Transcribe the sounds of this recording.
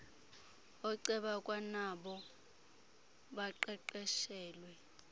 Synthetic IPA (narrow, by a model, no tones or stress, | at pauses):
ɔǀɛɓakʼwanaɓɔ | ɓaǃɛǃɛʃɛːlwɛ